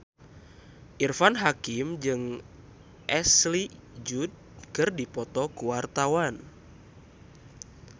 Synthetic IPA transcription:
ʔirfanɦakimd͡ʒɨŋ | ʔɛslid͡ʒud̚ | kɨrdipɔt̪ɔkuwart̪awan

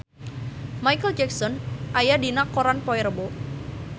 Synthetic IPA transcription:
majkəld͡ʒɛksɔnʔajadinakoɾanpɔiɾəbo

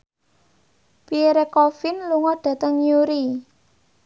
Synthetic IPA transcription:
piɾekɔfɪnluŋɔɖ̥ä̤t̪əŋjuɾi

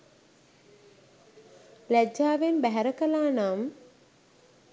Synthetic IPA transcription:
læd͡ʒaːʋenbæɦæɾəkəlaːnam

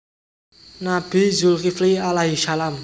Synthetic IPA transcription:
nab̥i̤zulkiflialaɦiʃalam

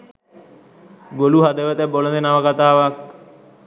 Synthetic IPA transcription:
ɡoluɦad̪əʋət̪ɛbolənd̪enaʋəkat̪aːʋak̚

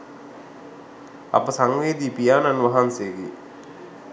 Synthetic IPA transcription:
a̰pəsaŋʋeːd̪iːpijaːnanʋaɦansejɡḛ

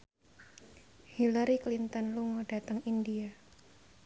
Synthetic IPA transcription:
hilaɾiklint̪ənluŋod̥a̤t̪əŋindia

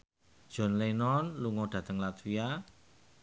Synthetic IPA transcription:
ʒ̥ɔ̤nlenɔnluŋɔɖ̪̥ä̤t̪əŋlat̪wia

